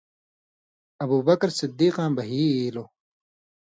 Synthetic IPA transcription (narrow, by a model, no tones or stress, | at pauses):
ɐbuːbɐkɾsid̪ːiːqãːmbɐɦiːiːlo